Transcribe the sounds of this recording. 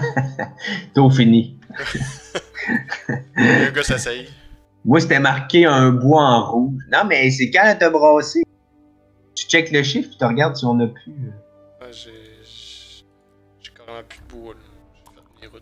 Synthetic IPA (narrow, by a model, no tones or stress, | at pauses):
t̪ofini | mwaset̪ɛmaʁkʲeə̃bwaɑ̃ʁuʒnɔ̃mɛs̬ekãat̪əbʁɑːse | t̪y̥t͡ʃɛkləʃɪfpi̥t̪əʁɡaʁd̪siɔ̃nəpʰy